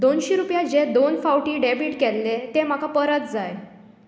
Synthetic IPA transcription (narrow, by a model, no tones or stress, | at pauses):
d̪onɕiɾupjad͡ʑed̪onfawʈiːɖebiʈkɛlːet̪em̤akapəɾət̪d͡zaj